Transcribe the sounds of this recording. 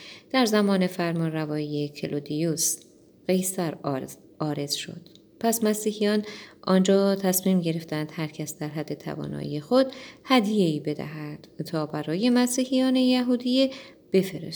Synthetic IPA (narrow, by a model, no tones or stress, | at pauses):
d̪̥æɾzæmɒːne̞fæɾmɒnrævɒːije̞cʰḛlʔod̪ius | ɢe̞jsæɾ | ɒːɾe̞z̥ʃo̞̰d̪̥ | pʰæsmæsiːhijɒːnʔɒːnd͡ʒɒːt̪ʰæsmiːmɟe̞ɾe̞ft̪ænd̪̥hæɾcʰæsd̪̥æɾɦæd̪ːe̞t̪ʰæ̰vɒ̰ːnɒ̰ːʔḭje̞xo̞d̪hæd̪je̞iːbe̞d̪æ̰ɦæd̪̥t̪ʰɒːbæɾɒːje̞mæsiːhijɒːne̞jæɦuːd̪ije̞ | b̥e̞feɾḛs